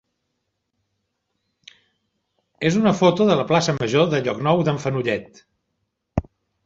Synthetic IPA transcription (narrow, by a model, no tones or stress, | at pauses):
ezunəfot̪uðələplasəməʒoðəʎɔknɔwðəɱfənuʎɛt̪